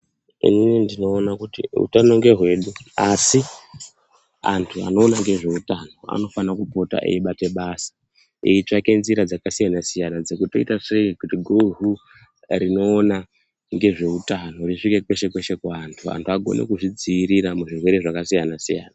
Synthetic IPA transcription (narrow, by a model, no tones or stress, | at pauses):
ḭninindino̞ːnakutiṵtano̞ŋɡe̞ɦwe̞ɗuasi | antʰua̰no̞ːnaŋɡe̞ʐe̞utano̞a̰no̞fanakupo̞ta̰ʔḛiɓate̞ɓaːsḁ | ḭit͡ʂake̞nziɾad͡zakasijanasijanad͡ze̞kuto̞itaʂeikutiɡʱoɦu | ɾino̞ːna | ŋɡe̞ʐe̞utano̞riʂike̞kwe̞ʃe̞kwe̞ʃe̞kaantʰua̰ntʰuaɡʱo̞̰nḛkuʐid͡ziːɾiɾamuʐirwe̞ɾe̞ʐakasijanasijaːna